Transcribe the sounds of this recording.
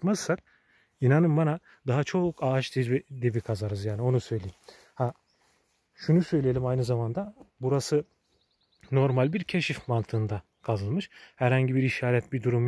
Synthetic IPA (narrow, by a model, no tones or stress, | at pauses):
mazsak̚ | inanɯmbana | d̪aɦat͡ʃʰo̞kʰaːt͡ʃd̪iid̪ebikʰazaɾɯzjaːnio̞nusø̞jlʲeim | ha | ʃunusø̞jlʲijelʲimajnɯzamand̪abuɾasɯ | no̞ɾmalʲbiɾcʰeʃifmant̪ʰɯːnd̪a | kʰazɯlˠmɯʃhæɾhaɲɟibiɾiʃaːɾɛt̪̚bid̪uɾum